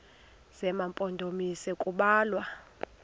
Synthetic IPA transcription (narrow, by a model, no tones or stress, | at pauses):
sɛmampʼɔndʱomisɛkʼuɓaːlwa